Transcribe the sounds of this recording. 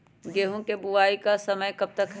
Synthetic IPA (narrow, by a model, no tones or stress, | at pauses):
ɡeːɦõkebʊaːikasɐməjkɐb̚t̪ək